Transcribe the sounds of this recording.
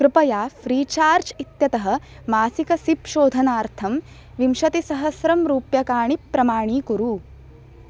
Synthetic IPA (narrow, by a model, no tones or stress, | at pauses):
kɾɨpɐjaːfɾiːt͡ʃaːɾt͡ʃit̪jɐt̪ɐɦɐ̆ | maːsikɐsipʃoːd̪ʱɐnaːɾt̪ʰɐm | ʋimʃɐt̪isɐɦɐsɾɐmɾuːpjɐkaːɳipːɾɐmaːɳiːkuɾu